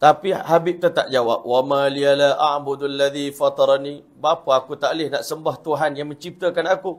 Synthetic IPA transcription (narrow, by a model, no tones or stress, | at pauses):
t̪apihabip̚t̪at̪a̰ʔd͡ʒawa̰p̚wamalialaʔaʕbʊd̪alːaðifat̪ɑɾnĩ | bapaakut̪aʔlɪhnaʔsəmbaht̪uɦanjaŋməɲt͡ʃip̚t̪əkanaku